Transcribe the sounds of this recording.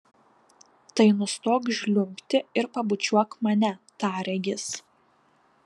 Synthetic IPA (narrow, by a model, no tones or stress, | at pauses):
t̪ɐɪnʊst̪oːkʒʲlʲʊmʲpʲt̪ʲɪɪɾpɐbʊt͡ʃʲuɔkmɐnʲɛt̪ɑːɾʲɛɡʲɪs